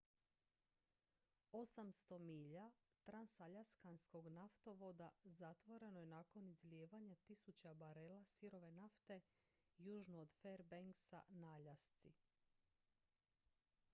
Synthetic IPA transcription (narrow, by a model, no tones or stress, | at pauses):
o̞samst̪o̞miːʎa | t̪ɾansaʎaskansko̞ɡnaft̪o̞ʋo̞d̪azat̪ʋo̞ɾe̞noje̞nako̞nizljeːʋaɲat̪isut͡ɕabaɾelasiɾo̞ʋe̞naft̪e̞ | juːʒnoːd̪feɾbeŋksa̰naʎast̪si